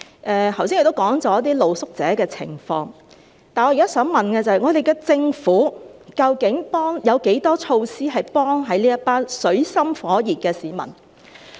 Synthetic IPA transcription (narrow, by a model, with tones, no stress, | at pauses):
ʔɛː˧t̪ʰwsi˥ŋjkt̪kɔː˨˥ŋt͡sɔː˨˥jɐ˥t̪iː˥lo˨wsʊ˥k̚t͡sɛː˨˥kɛː˧t͡sʰɪ̰˨˩ŋfɔː˧ŋ | t̪aː˨˩nŋɔ˨˧jkaː˦˥sœː˨˥ŋmɐ˨˩nkɛː˧t͡sɐ˨hɐ˨jŋɔː˨˧d̪e˨jkɛː˧t͡sɪ˧ŋfuː˨˥kɐ˧wkɪ˨˥ŋpɔː˥ŋjɐ˨˧wke˨˥jt̪ɔː˥t͡ʃʰo˧wsiː˥ɦɐ˨jpɔː˥ŋɦɐ˨˧jliː˥jɐ˥t̚paː˥nsɵ˨˥ɥsɐ˥mfɔː˨˥jiː˨˩t̚kɛː˧siː˨˦mɐ̰˨˩n